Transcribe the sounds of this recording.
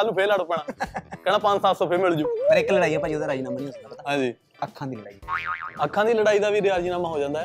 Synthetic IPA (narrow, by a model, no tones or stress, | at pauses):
alnuːpʰeːlaːɽopɛːɳaːkɛːñaːpə̃ɲd͡ʒsaːt̪sɔ̃ːpʰemɪld͡ʒuːpəɾɪkləɽaːiːɛːpaːid̪aːɾaːinaːməniːəsaːpət̪aːɦãːd͡ʒiː | əkʰːãːd̪iːləɽaːiəkʰːãːd̪iːləɽaːiːd̪aːʋiːɾɪaːɾd͡ʒiːnãːmãːɦoːd͡ʒãːnd̪aːɦɛː